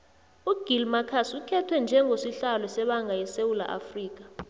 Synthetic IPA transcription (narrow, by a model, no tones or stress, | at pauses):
uɡ̥ʱilmakʰasukʰɛtʰwɛnd͡ʒʱɛŋɡosiɬalɔsɛɓaŋʱajɛsewula̰ʔa̰friːk̬ʼḁ